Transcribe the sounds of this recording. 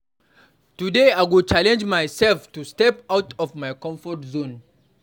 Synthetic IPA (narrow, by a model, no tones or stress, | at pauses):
tudeaɪwilt͡ʃalɛ̃nd͡ʒmajsɛlftustɛpawtʰɔvmajkɔ̃ɱfɔtzõn